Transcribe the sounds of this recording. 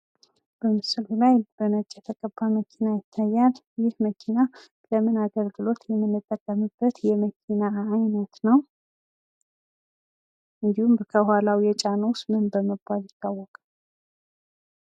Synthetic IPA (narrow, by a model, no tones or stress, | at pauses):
b̥əmɨsɨlulajbənət͡ʃʼːɛt̪ʰəkʼəbːaməkʰinajɪt̪ʰːajːal | jɪhməkʰina | ləmɨnaɡəlɡɨlo̞t̪jɛmːɨnːɨt̪ʼːəkʼːəmɨbːət̪jɛməkʰinaːjnət̪nəw | ʔɨnd̪ihumbkʰəhalawjɛt͡ʃʼanəwsmɨnbəməbaljɪt̪ʰːawːɔkʼa